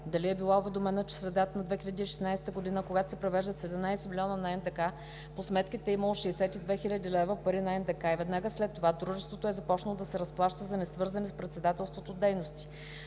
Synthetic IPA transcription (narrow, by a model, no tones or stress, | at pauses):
d̪ɐliɛbilˠaʊvɛd̪omɛnət͡ʃɛ̥sɾɛd̪at̪ənɐd̪vɛxʲiʎʲəd̪iːʃɛ̥snajst̪əɡod̪inəkoɡat̪o̥sɛpɾovɛʒd̪ət̪sɛd̪ɛmnajsɛmilʲiɔnənɐɛnd̪ɛka | posmɛt̪k̟it̪ɛːiməlˠoʃɛɛsɛt̪id̪vɛxilʲəd̪ʲilɛvəpɐɾinɐɛnd̪ɛkaivɛd̪naɡəslɛt̪ːovad̪ɾuʒɛst̪vot̪oɛzɐpɔt͡ʃnəlˠod̪ɐsɛɾɐsplˠaʃt̪əzɐnɛsvɤɾzɐnɛspɾɛt̪sɛd̪at̪ɛlˠst̪vot̪od̪ɛjnost̪i̥